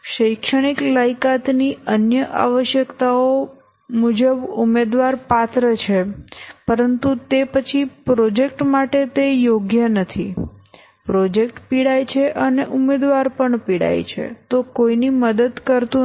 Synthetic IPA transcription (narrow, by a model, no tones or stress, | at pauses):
ʃəjkʂəɽ̃iklajkat̪niənjəʔa̰ʋəʃjəkt̪ao | mud͡ʒəbumed̪ʋaɾpat̪ɾət͡ʃʰepəɾənt̪ut̪epət͡ʃʰipɾɔd͡ʒek̚ʈmaʈet̪ejoɡjənət̪ʰi | pɾɔd͡ʒek̚ʈpiɽajt͡ʃʰeʔəneʔumed̪ʋaɾpəɳpiɽa̰jt͡ʃʰḛt̪okoiniməd̪əd̪kəɾt̪ũ